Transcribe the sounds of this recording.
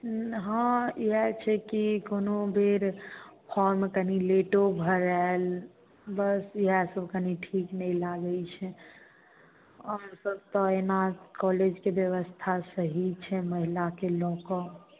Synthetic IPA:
ɦãiɦɛt͡ʃʰɛkikonobʱiɾpʰɔɾmekənileʈobʱəɾael | bəsiɦɛsəbʱkəniʈʰiknɛilaɡəɪt͡ʃʰɛ | əmsəb̚t̪ɔenakɔled͡ʒkebjəʋəst̪ʰasəɦit͡ʃʰɛməɦilakelɔkɔ̃

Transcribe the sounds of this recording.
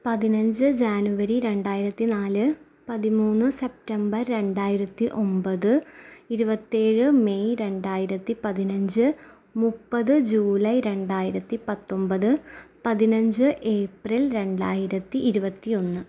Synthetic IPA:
pɐðinɐɲd͡ʑɨd͡ʑaːnuʋɐɾiɾe̞ɳɖaːjiɾɐt̪ːinaːlɨ | pɐðimuːnːɨse̞p̚ʈɐmbɐrːe̞ɳɖaːjiɾɐt̪ːiʔo̞mbɐðɨiɾubɐt̪ːeːɻɨme̞jɾe̞ɳɖaːjiɾɐt̪ːipɐðinɐɲd͡ʑɨ | mupːɐðɨd͡ʑuːlɐjɾe̞ɳɖaːjiɾɐt̪ːipɐt̪ːo̞mbɐðɨpɐðinɐɲd͡ʑɨʔe̞ːprilɾe̞ɳɖaːjiɾɐt̪ːiʔːɾubɐt̪ːio̞nːɨ

